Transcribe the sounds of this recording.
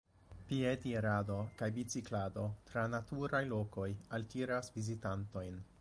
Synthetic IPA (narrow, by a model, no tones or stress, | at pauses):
piedieɾado̞kajbit͡siklado̞tɾanatuɾajlo̞ko̞jaltiɾasvizitanto̞jn